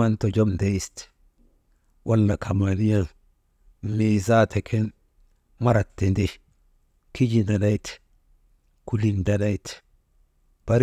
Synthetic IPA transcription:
a˦nto˨d͡ʒo˦mde˦ist | wa˦lːa˨kʰa˨mani˦ja˦l | miza˦tʰe˨kʰe˦n | ma˦ɾa˨tːe˨nde | kʰi˦d͡ʒinda˨da˦jt | ku˦li˨nda˨da˦jt | b̥a˦ɾ

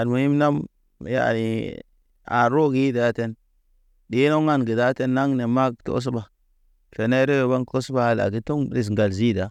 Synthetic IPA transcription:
a˨nmo˨ji˦mna˦m˨ | ja̰˦a̰˨i˨ | a̰˨ɾo˦ɡi˦i˦da˨˦te˦n | di˦no˦ŋa˦nɡi˨da˦te˦nːa˦ŋne˨ma˦kto̰˦s̬ba˨ | fe˨na˦ɾe˦ɾo˨ba˦ŋko˦sba˦a˦la̰˨ɡi˦to˦ŋɾi˨s̬ŋɡa˨lzi˦da˨

